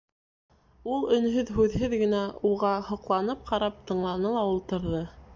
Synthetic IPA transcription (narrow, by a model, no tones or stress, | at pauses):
ulˠɵ̆nɦɵðɦʉðɦɘðɡɘ̆næuʁɑhŏqlˠɑnɤp̚qʰɑɾɑp̚t̪ɤ̆ɴlˠɑnɤlˠɑulˠt̪ɤ̆ɾðɤ